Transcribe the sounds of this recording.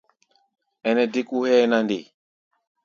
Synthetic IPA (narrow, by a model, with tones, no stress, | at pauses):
ɛ˨nɛ˨di˦ku˦hɛ˦na˦ndi˨